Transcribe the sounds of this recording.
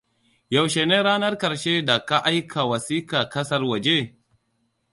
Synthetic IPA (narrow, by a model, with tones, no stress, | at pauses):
ja˨wʃeː˨neː˦ɾaː˦nɐ˦rkɐ˨ɾʃe˦da˨ka˦ʔa˦jkʰa˨wɐ˨siː˦kaː˨kɐ˦sɐ˦rwɐ˨d͡ʒe˦